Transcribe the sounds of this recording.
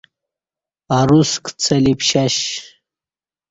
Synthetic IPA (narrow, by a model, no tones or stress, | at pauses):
aɾuskt͡sʰɐlipɕaɕ